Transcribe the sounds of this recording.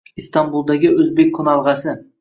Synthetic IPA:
ist̪ɑmbulˠd̪ɑɡʲɪɵzbek̚ʲʰːonɑlˠʁɑsɪ

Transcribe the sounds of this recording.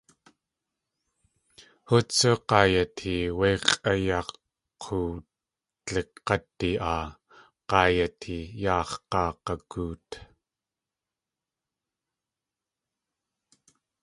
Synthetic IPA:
hut͡sːuqɑːjat̪hiweːqajɑqʰː | u | t͡ɬeqqːɑt̪ːiʔaː | qɑːjat̪hijɑːχqɑːqɑkuːt̪

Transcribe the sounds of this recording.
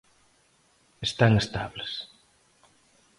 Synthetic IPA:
est̪aŋest̪aβlas

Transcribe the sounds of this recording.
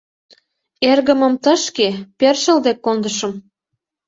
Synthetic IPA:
erɣə̆mə̆mt̪ɤ̆ʃkeperʃə̆ld̪ekːond̪əʃɤ̆m

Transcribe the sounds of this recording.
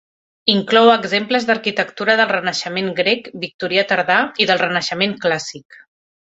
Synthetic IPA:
iŋklɔwəɡzempləzd̪əɾkit̪əkt̪uɾəðəlˠrənəʃəmeŋɡɾekbik̚t̪uɾiət̪əɾðaiðəlˠrənəʃəmeŋklasik

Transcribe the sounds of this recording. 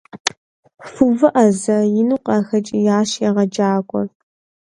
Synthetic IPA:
fuvɨʔɐzɐjɪnuqʼɐxɐt͡ʃʼijaːɕjɛʁɐd͡ʒaːɡʷʼɔr

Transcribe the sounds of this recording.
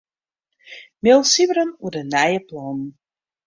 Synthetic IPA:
mɪlˠsivəɾənuərdənɛjəplɔnn̩

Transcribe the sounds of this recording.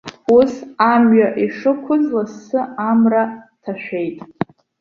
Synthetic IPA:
usamɥaʔiʂɨkʷʰʊzlasɨamratʰaʃᶣejtʼ

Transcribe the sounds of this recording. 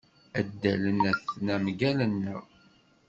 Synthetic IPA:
æd̪ːælənæθnæmɡælənːə

